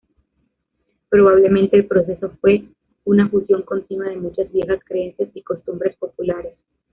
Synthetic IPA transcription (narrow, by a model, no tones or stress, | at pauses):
pɾo̞β̞aβ̞le̞mẽ̞nt̪e̞ːlpɾo̞s̬e̞so̞fwe̞ | unafusjo̞ŋko̞nt̪inwað̞e̞mut͡ʃazβje̞xaskɾee̞nsjasiko̞st̪umbɾe̞spo̞pulaɾe̞s